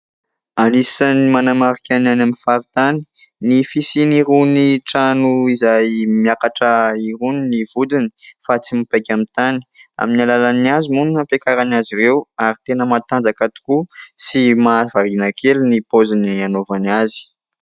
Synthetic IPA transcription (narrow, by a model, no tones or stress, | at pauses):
anisanimanamaɾikʲananaminfaɾit̪ani̥ | nifisiniɾuniʈ͡ʂanuizajmiakaʈ͡ʂəiɾuninivud̪ini̥fat͡simipakʲamit̪ani̥a̰minalalaniazimununapekaɾanaziɾewaɾit̪enəmat̪and͡zakat̪u̥kusimavavinakʰelnipozinianovaniazi̥